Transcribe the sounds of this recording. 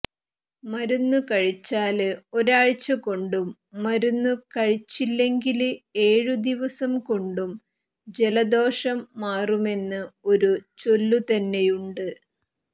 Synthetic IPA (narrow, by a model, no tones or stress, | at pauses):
mɐɾunːukɐɻit͡ɕːaːlɨo̞ɾaːɻt͡ɕːɐko̞ɳɖumː | ɐɾunːukɐɻit͡ɕːilːe̞ŋɡilɨe̞ːɻud̪iʋɐsɐmko̞ɳɖum | d͡ʑe̞lɐd̪o̞ːʂɐmːaːrume̞nːɨo̞ɾut͡ɕo̞lːut̪ɐnːe̞juɳɖɨ